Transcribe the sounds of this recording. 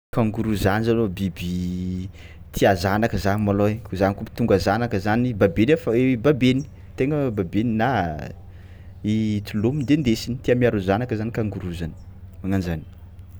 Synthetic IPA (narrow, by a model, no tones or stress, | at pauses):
kaŋɡuɾuzanizanobibi | t̪ʰiazanakəzanimalokuzanikumi̥t̪uŋɡazanakəzanibabenefəebabeni̥ | t̪eŋəbabenina | it̪ulomind̪end̪esinit̪iamiaɾuzanakəzanikaŋɡuɾuzanə̥maŋand͡ʒani̥